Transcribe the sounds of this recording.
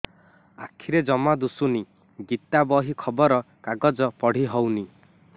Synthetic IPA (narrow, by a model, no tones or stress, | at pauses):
a̰kʰiɾed͡ʒɔmad̪usuni | ɡit̪abɔɦikʰɔbɔɾɔ | kaɡɔd͡ʒɔpɔɽ̤iɦɔwni